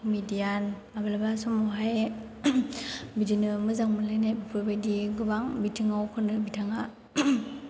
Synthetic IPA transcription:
kʰɔmidijanmabalabasɔmɔɦaj | bidinɯmɯzaŋmɯlajnajbɯpʰɯbajdiɡɯbaŋbitʰiŋawkʰɯnɯbitʰaŋa

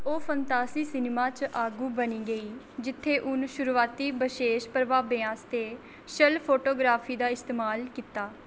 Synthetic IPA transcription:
oːpʰənt̪aːsiːsɪnmaːt͡ʃʔaːɡuːbəniːɡəiː | d͡ʒɪt̪ʰːeːʔʊnʃʊɾuːaːt̪iːbəʃeːʃpəɾʋaːbɪãːst̪eː | ʃəlpʰoːʈoːɡɾaːpʰiːd̪aːɪst̪eːmaːlkiːt̪aː

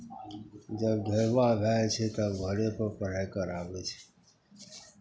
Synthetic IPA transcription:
d͡ʒəbɡʱəɾʋãːbʱaːt͡ʃʰeːt̪aɡʱəɽeːpəpəɽ̤ajkəɾaːʋeːt͡ʃʰeː

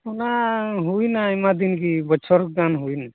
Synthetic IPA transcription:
unaɦuinaimad̪inkibət͡ʃʰɔɾkɡanɦuina

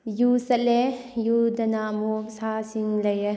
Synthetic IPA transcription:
jusɐlejud̪ɐnaːmopsaːsiŋlɐjə

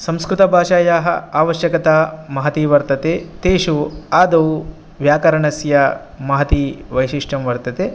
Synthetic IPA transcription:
sɐ̃mskɾɪt̪ɐbʱaːʃaːjaːɦɐ̰aːʋɐʃjɐkɐt̪aːmɐɦɐt̪iʋɐɾt̪ɐt̪et̪eːʃuaːd̪ɐʋu | ʋjaːkɐɾɐɳɐsjɐ | mɐɦɐt̪iʋɐjʃiʂʈɐmʋɐɾt̪ɐt̪e

